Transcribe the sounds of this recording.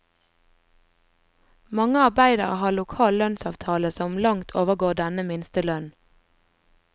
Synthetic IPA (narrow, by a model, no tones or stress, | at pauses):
mɑŋəɑʁbæɪd̪ɑʁəhɑːlʊkʰɑːllœnsɑːʋt̪ʰɑːləsɔmlɑŋt̪ʰoːʋəɡoːɖ̪ɛnəmɪnst̪əlœn